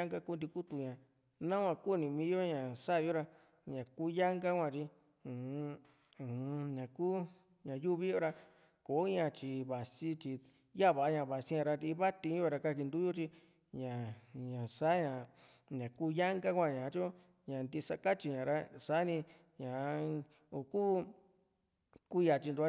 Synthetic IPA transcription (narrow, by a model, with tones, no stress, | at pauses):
a˦ŋɡa˦˧ku˦nd̪i˧ku˦t̪u˧ɲã˨ | nã˦kʷwã˧ku˦˨nĩ˧mĩ˧˦jo˦ɲã˨sa˦˨˧jo˦ɾa˧ | ɲã˨kuː˦ja˦ŋɡa˦kʷã˧t͡ʃĩ˧˨˧ | u˨˧ɲã˨kuː˦ | ɲã˨ju˦βi˦jo˦ɾa˧ | ko˨˦ɲã˧t͡ʃi˧βa˨si˦t͡ʃi˧ | ja˦˨βa˨a˧˦ɲã˧˨βa˨si˦ɲã˧ɾa˧ɾi˧˦βa˦t̪ĩ˧˦o˧ɾa˧ka˧ki˧nd̪u˦jo˦t͡ʃi˧ | ɲã˨ɲã˨sa˦ɲã˨ | ɲã˨ku˦ja˦ŋɡa˦kʷã˧ɲã˨˧t͡ʃo˦ | ɲã˨nd̪i˧sa˧ka˦t͡ʃi˧ɲã˨ɾa˧sa˦nĩ˧ | ɲã˨˧ | o˧˨ku˦ | ku˦˧ja˧˨t͡ʃi˧nd̪u˧˦